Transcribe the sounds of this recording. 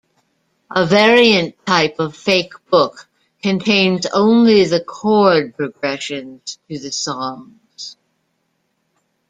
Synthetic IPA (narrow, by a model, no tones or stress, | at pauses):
ʔəvɛɹiɨ̃ntʰaɪpʌv̥feɪkb̥ʊkʰ | ɨ̃ntʰẽɪ̃nzõ̰ʊ̃nliðɨkʰɔɹd̚pɹɨɡɹɛʃɨ̃nz̥t̚ʰɨðɨsɔ̃ŋ | z̥